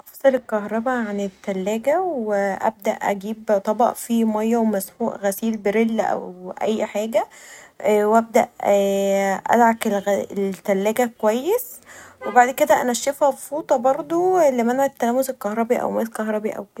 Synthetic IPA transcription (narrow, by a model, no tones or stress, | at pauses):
ʔɑfsˤɑlelkɑhɾˤɑbæʕanet̪ːælːæːɡæweʔæ̰b̚d̪æʔʔæ̰ɡiːbt̪ˤɑbɑ̰ʔfimɑjːæwemæsmuːʔɣæsiːlbeɾelːʔæ̰wʔæ̰jːħaːɡæ | wʔæb̚d̪æ̰ʔ | ʔæ̰d̪ʕakelɣelt̪ːælːæːɡækowæjːeswebaʕd̪ked̪æʔænæʃefæfuːt̪ˤɑbɑɾˤd̪ˤoelːimænʕt̪ːælæːmoselkɑhɾˤɑbiʔæ̰wmælkɑhɾˤɑbiʔæ̰wk